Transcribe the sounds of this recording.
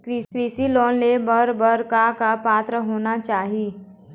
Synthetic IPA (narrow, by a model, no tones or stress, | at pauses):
kɾiːkɾiːsilɔːnlebəɾbəɾkakapaːt̪ɾəɦoːnat͡ʃaːɦiː